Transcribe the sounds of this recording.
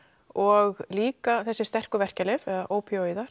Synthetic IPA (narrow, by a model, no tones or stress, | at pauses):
ɔɣliːkaθɛsːɪst̪ɛr̥kʏvɛr̥calɪvɛaʔoːwpʰioiðaɾ̥